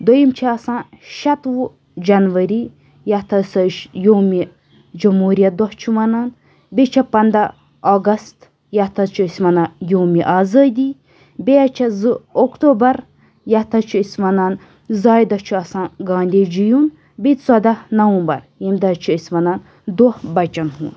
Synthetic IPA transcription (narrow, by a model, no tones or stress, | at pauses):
d̪ojimt͡ʃʰiɐsãː | ʃɐt̪ʋu | d͡ʒɐnʋɐɾi | jɐt̪ʰɐsɐʃjoːmi | d͡ʒɐmɦuːɾijɐd̪ɔt͡ʃʰuʋɐnaːn | bet͡ʃʰɐpɐnd̪ɐ | ɔːɡɐst̪ | jɐt̪ʰɐt͡ʃʰuisʲmɐnajoːmiʔaːzaːd̪iː | beɐt͡ʃʰɐzɨokt̪oːbɐɾ | jɐt̪ʰɐt͡ʃʰuisʲmɐnaːn | zaːjd̪ɐt͡ʃʰuɐsãːɡaːnd̪ed͡ʒijun | bit̪sɐd̪anɐwũːmbɐ̰ɾ | jimd̪ɐt͡ʃʰuisʲmɐnaːn | d̪uhbɐt͡ʃɐnɦṵ̃ːn